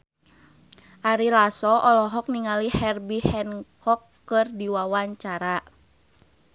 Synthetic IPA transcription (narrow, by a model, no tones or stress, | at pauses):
ʔaɾilasɔʔɔlɔɦɔk̚niŋalihɛrbihɛnkɔkːɨrdiwawaɲt͡ʃaɾa